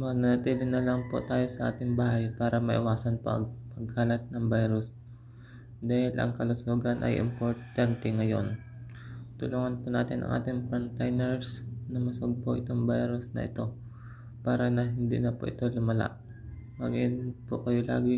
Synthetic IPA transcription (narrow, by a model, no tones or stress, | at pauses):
mɐnɐnɐt̪iːlɪnɐlɐŋpo̰t̪aːjo̞sɐʔa̰ːt̪ɪŋbaːɦajpaːɾɐmɐʔɪwaːsɐnpo̰ʔɐ̰ŋpɐɡ̚haːlɐt̪̚nɐŋbajɾʊs | d̪aːhɪlɐ̰ŋkɐlʊsoːɡɐnʔɐ̰jʔɪ̰mpoɾt̪ant̪ɛŋɐjo̞̰n | t̪ʊluːŋɐnpona̰ːt̪ɪnʔɐ̰ŋʔa̰ːt̪ɪŋpɐnt̪ajnɛɹsnɐmɐsoɡ̚poʔɪt̪oŋbajɾʊsnɐ̰ʔɪ̰t̪o̞ | paːɾɐnɐɦɪnd̪ḭːnɐpo̰ʔɪ̰t̪o̞lʊmɐla̰ʔ | ma̰ɡinpokɐjola̰ːɡɪ